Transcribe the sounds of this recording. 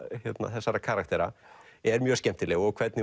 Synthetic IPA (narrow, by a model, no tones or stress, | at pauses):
çjɛt̪na̰θɛsːaɾakʰaːɾak̚t̪ɛɾa̰ɛɾmjœːscɛm̥t̪ɪlɛɣɔɣkʰvɛt̪nɪ